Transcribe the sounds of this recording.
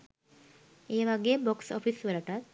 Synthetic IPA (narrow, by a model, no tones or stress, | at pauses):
eːʋaɡeːboksɔ̰fʰisʋəlaʈat̪̚